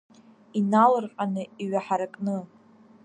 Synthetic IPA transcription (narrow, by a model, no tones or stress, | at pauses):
inalɨrqʼanɨiɥaħaɾakʼnɨ